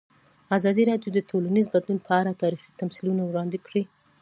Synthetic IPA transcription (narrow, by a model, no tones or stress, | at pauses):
azɑd̪iɾɑɖjod̪ətʰolanizbad̪lunpʰəaɾat̪ɑɾixi̥t̪amsilunawɽɑnd̪ɪkɽi